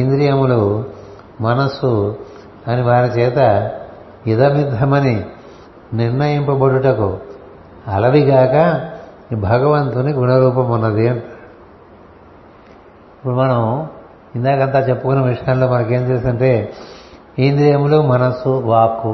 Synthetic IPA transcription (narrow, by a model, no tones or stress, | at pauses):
ɦind̪ɾijɐmulu | mɐnɐsu | ɐniʋaːɾit͡ʃɛːt̪ɐ | id̪ɐmid̪ʱːɐmɐni | niɾnɐjɐmpɐbɐɽuʈɐku | ɐlɐʋiɡaːkɐ | bʱɐɡɐʋɐnt̪uniɡuɳɐɾuːp̬ɐmunːɐd̪iɐɳʈa | ipːuɽumɐnɐm | ind̪aːkɐnt̪aːt͡ʃepːukunːɐʋiʂɐjaːnlo̞ːmɐnɐke̞ːmd͡ʒeːsɐɳʈeː | hind̪ɾijɐmulumɐnɐsuʋaːku